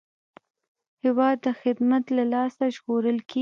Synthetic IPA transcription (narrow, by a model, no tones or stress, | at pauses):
hɪwɑd̪ːəxɪd̪mat̪lalɑsaʒɣoɾəlkʰe